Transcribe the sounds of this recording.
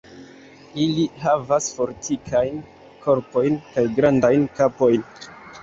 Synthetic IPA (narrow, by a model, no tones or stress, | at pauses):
ilihavasfo̞ɾtʰikʰajn | kʰo̞ɾpo̞jnkajɡɾandajnkapo̞jn